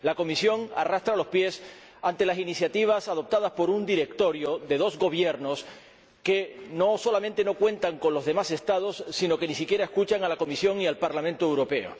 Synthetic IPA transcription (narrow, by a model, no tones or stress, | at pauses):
lako̞misjo̞ŋa̰rast̪ɾalo̞spje̞s | ant̪e̞lasinisjat̪iβ̞asað̞o̞p̚t̪að̞aspo̞ɾund̪iɾe̞k̚t̪o̞ɾjo̞ðe̞ð̞o̞zɣo̞β̞je̞ɾno̞s | ke̞no̞so̞lamẽnt̪e̞no̞kwe̞nt̪aŋkonlo̞zðe̞mase̞st̪að̞o̞sːino̞ke̞nis̬ikje̞ɾae̞skut͡ʃaŋalako̞misjo̞ŋialpaɾlamẽnt̪oewɾo̞pe̞o̰